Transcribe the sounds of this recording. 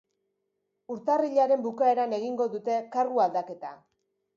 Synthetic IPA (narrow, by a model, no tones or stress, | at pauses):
uɾt̪ariʎaɾe̞mbukae̞ɾane̞ɣ̞iŋɡo̞ðut̪e̞karɣuald̪ake̞t̪a̰